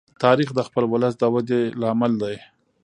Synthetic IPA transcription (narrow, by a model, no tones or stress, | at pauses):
t̪ɑɾixd̪əxpəlwʊləs̬d̪əwad̪elɑmald̪aj